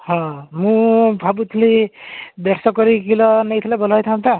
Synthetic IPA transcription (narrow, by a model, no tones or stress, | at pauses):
hʌ̃mũbʱabut̪ʰlibeɾsʌkʌɾikilʌnʌjt̪ʰilabʌlajt̪ʰamt̪ʰa